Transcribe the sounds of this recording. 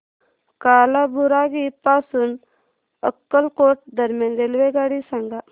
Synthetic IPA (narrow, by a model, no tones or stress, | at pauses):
kaːlabuɾaɡipasun | ə̰kːəlkoːʈ̚d̪əɾmjanɾelʋeɡaɽisaŋɡa